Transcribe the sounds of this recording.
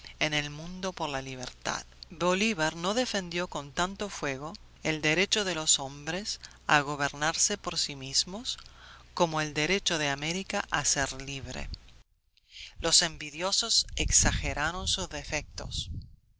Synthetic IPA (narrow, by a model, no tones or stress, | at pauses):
enelmũnd̪o̞poɾlaliβ̞ḛɾt̪a̰ðboliβaɾnoðefe̞nd̪joko̞nt̪ant̪ofwe̞ɣ̞o̞ | eld̪eɾet͡ʃoðelosombɾes | a̰ɣo̞βeɾnaɾsepoɾsimizmosko̞moeld̪eɾet͡ʃoðeameɾikaʔaseɾliβ̞ɾḛ | lose̞mbiðjo̞soseksaxeɾʔaɾonsuzðefek̚t̪o̰s